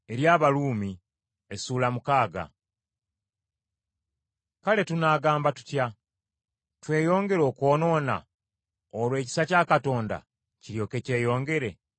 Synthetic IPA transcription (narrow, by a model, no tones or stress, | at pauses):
e̞ɾjaːβaluːmi | e̞suːlamukaːɡa̰ | kale̞tunaːɡaːmbatu̥tja | twe̞ːjo̞ːŋɡe̞ɾo̞ːko̞ːno̞ːna̰ | olwe̞ːci̥sacaːkato̞ːnda̰ | ciɾjo̞ːke̞ce̞ːjo̞ːŋɡe̞ɾe̞